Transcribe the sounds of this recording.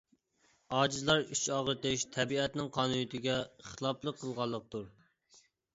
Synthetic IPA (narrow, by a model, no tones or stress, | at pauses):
ɑːd͡ʒizlˠɑɾyt͡ʃʰɑːʁəɾt̪ɪʃt̪ʰɛbiɛt̪nɪŋqʰɑnunyt̪ʰɪɡʲɛχəlˠɑplˠəqʰːəlˠʁɑlˠːəq̚t̪uɾ